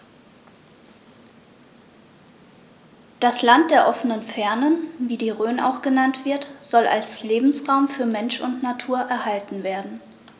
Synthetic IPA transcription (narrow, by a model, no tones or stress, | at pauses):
d̥aslant̚d̥eːɐʔɔfənənfɛɐnənviːdiːʁøːna̰ʊxɡ̥ənantv̥ɪɐtz̥ɔlʔa̰lsleːbm̩sʁaʊmfyːɐmɛnʃʊ̰ntnatʰuːɐʔɛɐhaltn̩veːɐdn̩